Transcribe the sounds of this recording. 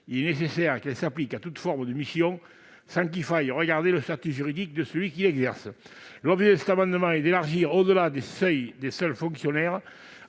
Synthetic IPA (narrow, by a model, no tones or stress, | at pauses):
ilɛnesesɛʁkɛlsaplikat̪ut̪fɔʁməd̪əmisjɔ̃ | sɑ̃ŋk̬ilfajʁəɡaʁd̪eləst̪at̪yʒyʁid̪ik̚d̪əsəlɥikilɛɡzɛʁsəlɔbʒed̪əsɛt̪amɑ̃d̪əmɑ̃ɛd̪elaʁʒiʁod̪əlad̪esœjd̪esœlfɔ̃ŋksjɔnɛʁ